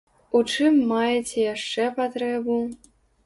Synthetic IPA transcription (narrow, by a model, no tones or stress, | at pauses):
ut͡ʂɨmːajɛt͡sʲɛjaʂt͡ʂɛpat̪ɾɛbu